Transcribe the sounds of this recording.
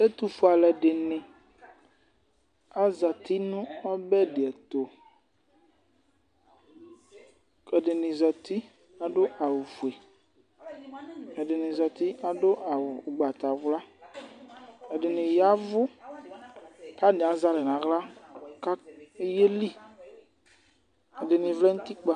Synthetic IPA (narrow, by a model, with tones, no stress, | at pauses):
e˦t̪u˨fo˨a˨lɛ˨ɖɪ˨nɪ̃˨ | a˦za˨t̪i˦nũ˦ɔ˦bɛ˦ɖɪ˨ɛ˨t̪o˨ | ɛ˨ɖɪ˨nɪ̃˨zɔ˨t̪i˦ | a˨ɖo˦ʔa˨wu˨fu˨e˨ | e˨dɪ˨nĩ˨zɔ˨t̪i˦a˨ɖo˦ʔa˨wʊ˨ɡ͡ba˨t̪a˨vʊ˨la˦ | e˨dɪ˨nɪ̃˨ja˦vʊ˦ | ka˦ne˨a˨za˦lɛ˨nã˨ɣla˦ka˦e˦je˦li˦ | e˨dɪ˨nĩ˨vlɛ˦ŋũ˦t̪i˦k͡pa˦˨